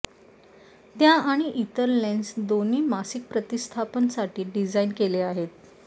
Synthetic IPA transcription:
t̪jaaɽ̃iʔit̪əɾlensd̪oniːmasik̚pɾət̪ist̪ʰapənsaʈʰiːɖid͡zainkeleaɦet̪

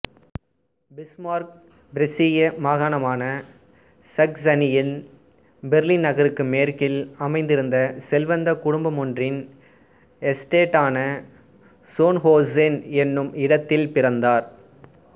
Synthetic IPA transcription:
bɪsmaːɾk̚ | bɪɾɛsɪjɐmaːɣaːɳɐmaːnɐ | sɐksɐnɪjɪl | bɛɾlɪnnɐɣɐɾɯkːɯmeːɾkɪlɐmɐɪnd̪ɪɾɯnd̪ɐsɛlʋɐnd̪ɐkʊɽʊmbɐmɔndrɪn | ɛsʈeːʈːaːnɐ | soːnhoːsenɛnːɯmɪɽɐt̪ːɪlpɪɾɐnd̪aːɾ

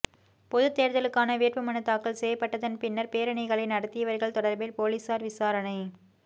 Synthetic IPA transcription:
pɔðɯt̪ːeːɾðɐlɯkːaːnɐʋeːʈʋɐmɐnɯt̪ːaːkːɐlsɛjɐpːɐʈːɐðɐnpɪnːɐɾpeːɾɐɳɐɪɣɐɭɐɪnɐɽɐt̪ːɪjɐʋɐɾɣɐɭt̪ɔɽɐɾbɪlpoːliːsaːɾʋɪsaːɾɐnɐɪ

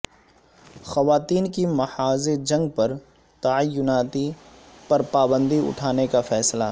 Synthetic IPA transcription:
xɐʋaːt̪iːnkimɐhaːzeɾd͡ʒɐ̃ŋɡ̚pɐɾ | t̪ɐəjːʊnaːt̪i | pɐɾpaːbə̃nd̪iʊ̰ʈʰaːnekafɛːsla̰

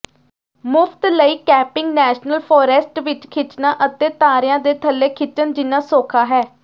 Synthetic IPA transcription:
mʊpʰt̪ləiːkɛːpɪŋɡnɛːʃnəlpʰoːɾɛsʈʋɪt͡ʃkʰɪt͡ʃnãːʔət̪eːt̪aːɾɪjãːd̪eːt̪ʰəlːeːkʰɪt͡ʃːənd͡ʒɪnːãːsoːkʰaːɦɛː

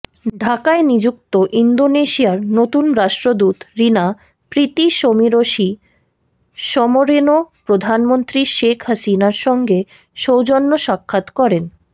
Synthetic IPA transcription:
ɖʱakaenid͡ʑuk̚t̪oʔind̪oneʃiaɾnot̪unɾaʃʈɾod̪ut̪ɾina | pɾit̪iʃomiɾoʃi | ʃɔmoɾenopɾod̪ʱanmont̪ɾiʃekʰɦasinaɾʃɔŋɡe | ʃowd͡ʑonːoʃakʰːat̪kɔɾen

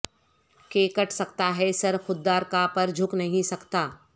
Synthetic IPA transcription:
keːkəʈʰsɐkt̪aɦɛsɐɾxʊd̪ːaːɾkapɐɾd͡ʒʱʊknɐɦĩsɐkt̪aː

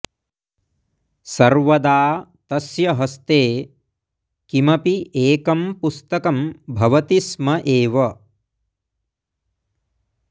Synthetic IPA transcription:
sɐɾʋɐd̪aːt̪ɐsjɐɦɐst̪eː | kimɐpiʔeːkɐmpust̪ɐkɐmbʱɐʋɐt̪ismɐʔeːʋɐ

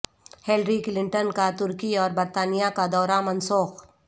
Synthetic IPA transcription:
heːlɾiklɪ̃ɳʈənkat̪ʊɾkiɔːɾbɐɾt̪aːnijakad̪ɔːɾamɐnsoːx

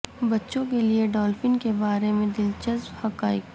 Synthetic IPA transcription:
bɐtːʃõk̬elieɖɔːlfɪnkebaːɾemẽd̪ɪlt͡ʃɐzbhɐkaːɪk

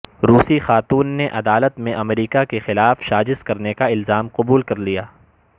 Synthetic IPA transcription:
ɾuːsixaːt̪uːnːeʔɐd̪aːlət̪mẽʔɐmɾiːkakexɪlaːfʃaːd͡ʒɪskɐɾnekaɪlzaːmqʊbuːlkɐɾlijaː

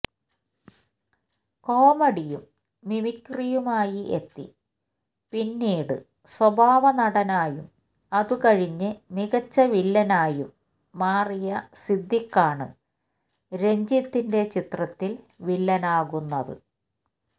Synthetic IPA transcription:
ko̞ːmɐɽijumː | imikːrijumaːjiʔe̞t̪ːḭ | pinːiːɽɨ̰ | swɐbʱaːʋɐnɐɽɐnaːjum | ɐðukɐɻiɲːɨmiɣɐt͡ɕːɐʋilːɐnaːjumː | aːrijɐsid̪ʱːikːaːɳɨ̰ | ɾe̞ɲd͡ʑit̪ːinde̞t͡ɕit̪rɐt̪ːil | ʋilːɐnaːɣunːɐðɨ̰

